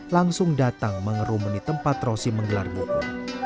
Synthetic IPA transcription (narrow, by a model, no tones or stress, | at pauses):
laŋsʊŋdat̪aŋməŋəɾumənit̪əmpat̪rosiməŋɡəlarbuku